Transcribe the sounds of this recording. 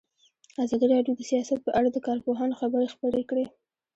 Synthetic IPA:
azɑd̪iɾɑɖjod̪əsijɑsat̪̚pəʔaɽad̪əkɑɾpoɦɑnoxabəɾexpəɾekɽe

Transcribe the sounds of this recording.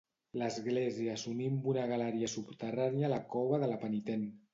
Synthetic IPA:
ləzɣleziəsunimbunaɣalaɾiasupt̪əranealakɔβəðəlapənit̪en

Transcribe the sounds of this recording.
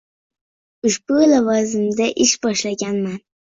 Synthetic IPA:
ʊʃb̥ulavɒzɪmd̪aʔɪʃbɒʃlaɡʲanman

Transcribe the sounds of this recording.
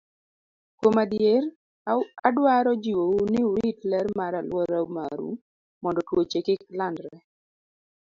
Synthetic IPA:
kwomadjeɾ | adwaɾɔd͡ʒiwounɪuɾitlɛrmaɾalwɔɾauma̰ɾṵ | mɔndɔtwot͡ʃekɪklandɾɛ

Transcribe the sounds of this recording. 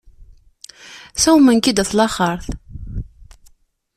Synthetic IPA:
sæwmənkid̪æθlɑχəɾˤθ

